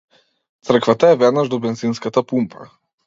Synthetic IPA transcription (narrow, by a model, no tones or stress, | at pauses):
t̪sr̩kvat̪aɛvɛd̪naʒd̪ɔbɛnzinskat̪apumpʰa̰